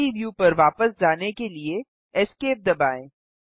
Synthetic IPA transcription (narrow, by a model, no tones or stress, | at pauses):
iʋjuːpɐɾʋaːpəsd͡ʒaːnekelie | ɛskeːp̚d̪ɐbaːẽː